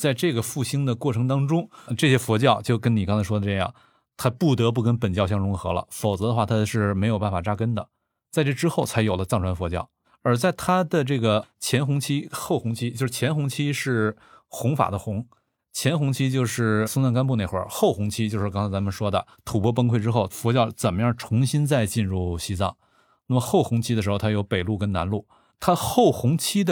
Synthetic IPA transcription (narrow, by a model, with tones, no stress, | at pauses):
t͡sa˥˧ɪʈ͡ʂɤ˥˩ɡə˩fu˥˩ɕi˥ŋd̪ə˨kwɔ˥˩ʈ͡ʂʰɤ˧˥ŋt̪̬ɑ˥ŋʈ͡ʂʊ˥ŋʈ͡ʂɤ˥˩ɕjɛ˥fwɔ˧˥t͡ɕjɑ˥˧ʊt͡ɕjo˥˩ʊkə˥ni˨˩kɑ˥ŋt͡sʰa˧ɪʂɔ˥d̪ə˧ʈ͡ʂɤ˥˧jɑ̰˥˩ŋ | t̪ʰa˥pu˥˩t̪ɤ˧˥p̬u˥˩kə˥npə˨˩nt͡ɕjɑ˥˧ʊɕjɑ˥ŋɻʊ˧˥ŋxɤ̰˧˥lə̰˧fo˨˩ʊt͡sɤ˧˥d̪ə˧xwa˥˩t̪ʰa˥ʂɻ̩˥˩me˧˥ɪjʊpa˥˩n˩fa˨˩ʈ͡ʂa˥kə˥nd̪ə˨ | t͡sa˥˧ɪʈ͡ʂɤ˥˩ʈ͡ʂɻ̩˥xo˥˩ʊt͡sʰa˧˥ɪjo˨˩ʊlə˦t͡sɑ˥˩ŋʈ͡ʂʰwa˥nfwɔ˧˥t͡ɕjɑ˥˩ʊ | ə˞˧˥t͡sa˥˩ɪt̪ʰa˥d̪ə˨ʈ͡ʂɤ˥˩ɡə˩t͡ɕʰjɛ˧˥nxʊ˧˥ŋt͡ɕʰi˥xo˥˩ʊxʊ˧˥ŋt͡ɕʰi˥t͡ɕjo˥˧ʂɻ̩˥˩t͡ɕʰjɛ˧˥nxʊ˧˥ŋt͡ɕʰi˥ʂɻ̩˥˩ | xʊ˧˥ŋfa̰˨˩d̪ə˦xʊ˧˥ŋ | t͡ɕʰjɛ˧˥nxʊ˧˥ŋt͡ɕʰi˥t͡ɕjo˥˧ʊʂɻ̩˥˩sʊ˥ŋt͡sa˥ŋk̬a˥npu˥˧ne˥˩ɪxwə̰˞˧˥xo˥˩ʊxʊ˧˥ŋt͡ɕʰi˥t͡ɕjo˥˧ʊʂɻ̩˥˧ɑ˥ŋt͡sʰt͡sa˧˥mə˨nʂwɔ˥d̪ə̰˨t̪ʰu˨˩pwɔ˥p̬ə˥ŋkʰwe˥˧ɪʈ͡ʂɻ̩˥xo˥˩ʊfwɔ˧˥t͡ɕjɑ˥˩ʊt͡sə˨˩nmə˦jɑ˥˩ŋʈ͡ʂʰʊ˧˥ŋɕi˥nt͡sa˥˧ɪt͡ɕi˥˧nɻu˥˩ɕi˥t͡sɑ̰˥˩ŋ | na˥˩mə˩xo˥˩ʊxʊ˧˥ŋt͡ɕʰi˥ə˧ʂɻxo˧˩t̪ʰa˥jo˧˥ʊpe˨˩ɪlu˥˩kə˥nna̰˧˥nlu˥˩ | t̪ʰa˥xo˥˩ʊxʊ˧˥ŋt͡ɕʰi˥d̪ə˨